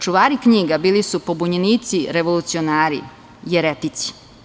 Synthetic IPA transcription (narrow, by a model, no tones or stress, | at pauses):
t͡ʃuʋaːɾikɲiːɡabiːlisupo̞buɲeniːt̪siɾeʋo̞lut̪sionaːɾḭ | jeɾet̪it̪si̥